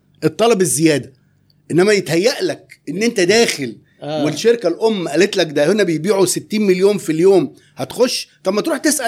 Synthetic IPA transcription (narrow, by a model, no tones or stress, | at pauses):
ʔet̪ˤːɑlɑbezːejæːd̪æ | ʔenːæmæjet̪hæjːæʔlækʔenːʔent̪æd̪æːxel | welʃeɾkælʔomːæʔælet̪lækd̪æhenːæbejbiːʕuset̪ːiːnmeljoːmfiljoːm | hæt̪xoʃːt̪ˤɑmːæt̪ɾuːħt̪esʔæ